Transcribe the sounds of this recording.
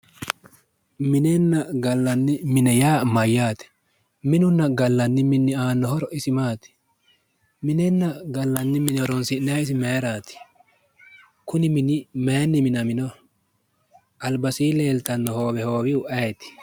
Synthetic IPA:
mɪnɛnːɐɡɐlːɐnːɪmɪnɛjaːmɐjːaːt̪ɛ̥ | mɪnʊnːɐɡɐlːɐnːɪmɪnːɪaːnːɔhɔɾɔʔɪsɪmaːt̪ɪ̥ | mɪnɛnːɐɡɐlːɐnːɪmɪnɪhɔɾɔnsɪnːɛɐɪs̬ɪmeːɾaːt̪ɪ̥ | kʊnɪmɪnɪmɛːnːɪmɪnɐmɪnɔ | ɐlbɐsiːleːlt̪ɐnːɔho̞ːbɛho̞ːbɪʊʔɐjt̪ɪ̥

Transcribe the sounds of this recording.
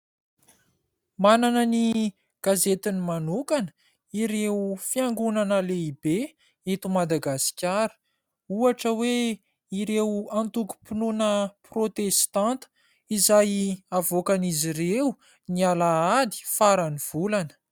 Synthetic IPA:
mananəni | ɡ̥azet̪inimanukanə̥ | iɾefiaŋɡunanəleibe | et̪umad̪aɡasi̥kʲaɾə̥ | uaʈ͡ʂəwe | iɾewant̪uku̥pinunəprot̪est̪ãnt̪ə̥ | izajavokanizirewu | nialaad̪i̥faɾaniv̥ulanə̥

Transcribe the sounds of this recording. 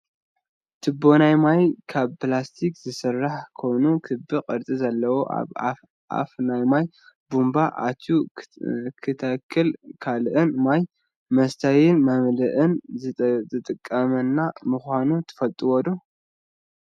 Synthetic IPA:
t̪ʰɨbːo̞najmajkʰaβpɨlast̪ʰikz̥ɨsɨrːaħkʰo̞jnukʰɨbɨkʼɨɾt͡sʼizɐlːɐwoʔ | a̰fnajmaj | bumbaʔa̰t̪ʰju | kʰɨt̪ʰɐkʰːɨlkʰalʔɨnmaj | mɐst̪ʰajɪnmɐmlɨʔɨnzʼɨt̪ʼɨkʼːɐmɐnːamɨxʷanut̪ʰɨ̥fɐlt̪ʼuwɔd̪u

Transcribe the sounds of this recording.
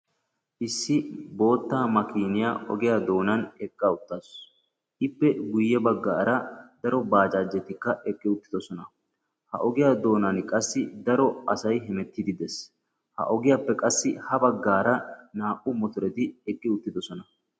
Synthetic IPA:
ʔɪsːɪbo̞ːt̪ːaːmɐkiːnɪjaʔɔ̰ɡɪjaːd̪o̞ːnɐnɛkʼːaʊt̪ːas | ʔɪpːɛɡʊjːɛbɐɡːaːɾɐd̪ɐɾɔbaːd͡ʒaːd͡ʒːɛt̪ːɪkːɐʔɛkʼːɪʊt̪ːɪd̪ɔsɔnɐ | hɐ̰ʔɔɡɪjaːd̪o̞ːnɐnkʼɐsːɪd̪ɐɾɔɐsɐjɦɛmɛt̪ːɪd̪ɪd̪ɛs | hɐ̰ʔɔɡɪjaːpːɛkʼɐsːɪhɐbɐɡːaːɾɐnaːʔʼʊmɔt̪ʊɾɛt̪ɪɛkʼːɪʊt̪ːɪd̪ɔsɔnɐ

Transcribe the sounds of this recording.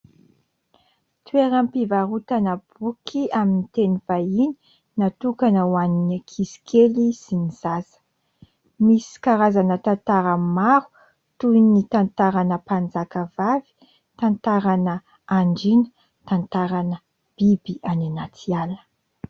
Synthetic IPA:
t̪uweɾampivaɾut̪anəb̥ukʰiaminit̪enivaini̥ | nat̪ukanəwaninikʰisi̥kʰelisiniz̥azə̥ | misi̥kaɾazanət̪ant̪aɾəmaɾu̥ | t̪unit̪ant̪aɾanəpand͡zakəvavi̥ | t̪ant̪aɾanə | aɳɖ͡ʐinə̥ | t̪ant̪aɾanə | b̥ibiʔananat͡sialə̥

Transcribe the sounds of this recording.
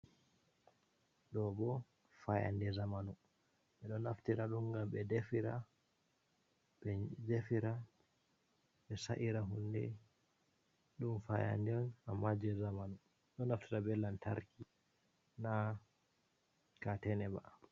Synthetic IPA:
ɗɔbɔ | faja̰ndɛzamanu | ɓɛɗɔnaftiɾaɗumɡambɛdefiɾa | ɓɛd͡ʒefiɾa | ɓɛsaʔiɾaɦundɛ | ɗumfaja̰ndɛnamːad͡ʒɛzamanu | ɗɔnaftiɾabɛlːanta̰ɾki | na | katɛnɛba

